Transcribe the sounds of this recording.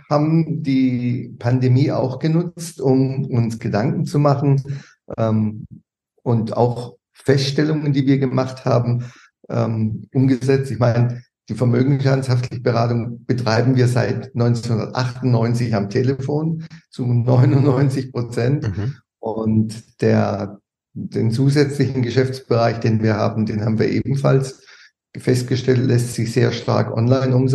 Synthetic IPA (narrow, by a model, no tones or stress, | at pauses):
haːbm̩d̥iːpʰandemiːʔa̰ʊxɡ̥ənʊt͡stʊmʊnsɡ̥ədaŋkŋ̩t͡sumaχn̩ | ʔɛːm | ʔʊnta̰ʊx | fɛstʃtɛlʊŋəndiːviːɐɡəmaχtha̰ːbm̩ | ʔɛ̰ːmʔʊmɡəzɛt͡stɪçmaɪnə | d̥iːfɛɐmøːɡŋ̩ʃanshaftʰlɪçəbəʁaːtʊŋb̥ətʁ̥aɪbm̩viːɐza̰ɪtnɔʏnt͡snhʊndɐtʔa̰χtʊntnɔʏnt͡sɪçamtʰeːləfoːnt͡sunɔʏnʊnnɔʏnt͡sɪçpʁ̥ot͡sɛnt | ʔʊntd̥eːɐ | d̥eːnt͡suːzɛt͡slɪçn̩ɡəʃɛft͡sb̥əʁaɪçd̥eːnviːɐha̰ːbm̩deːnhaːbm̩viːɐʔḛːbm̩fa̰ls | fɛst̚ɡ̥əʃtɛltlɛstz̥ɪçz̥eːɐʃta̰ɐkʔɔ̰nlaɪnʊmz